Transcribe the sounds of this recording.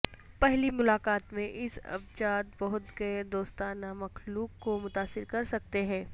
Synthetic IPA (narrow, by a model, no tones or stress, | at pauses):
pɛɦlimʊlaːkaːt̪mẽʔɪsɐ̰bt͡ʃaːt̪̚bɔɦʊt̪ɡɐed̪oːst̪aːnamɐxluːkːomʊt̪aːsɪɾkɐɾsɐk̚t̪eɦɛ̃ː